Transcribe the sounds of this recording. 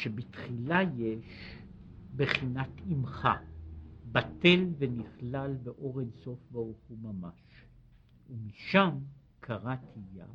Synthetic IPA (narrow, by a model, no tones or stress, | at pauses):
ʃebitχilaje̞ʃ | beχinatʰimχa | bate̞lveniχlalbeʔo̞ʁenso̞fvauχumamaʃ | umiʃam | kʰaʁatʰija̰